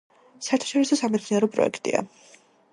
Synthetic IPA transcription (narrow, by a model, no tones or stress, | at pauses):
saɛɾt̪ʰḁʃɔɾisɔsamɛt̪sniaɾɔpʼɾɔ̰ɛ̰kʰt̪ʼḭa̰